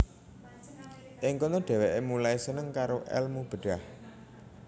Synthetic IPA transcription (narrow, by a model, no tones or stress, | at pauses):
ʔɪŋkonɔɖ̥ɛ̤weʔemulaesənəŋkaɾoʔɛ̰lmub̥ə̤ɖ̥a̤h